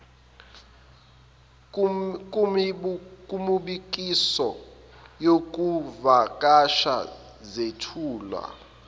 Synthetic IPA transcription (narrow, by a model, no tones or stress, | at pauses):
kʼumuɓik̬ʼisɔ | jok̬ʼuvakʼaʃa̰ | zetʰuːlwa̰